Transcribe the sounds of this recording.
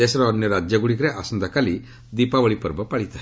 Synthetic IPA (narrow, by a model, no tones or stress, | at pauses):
esɾɔːnjɔɾad͡ʒjaɡuɽikɾeʔasɔnd̪akali | d̪ipaʋəɭipɔɾbɔpaɭit̪a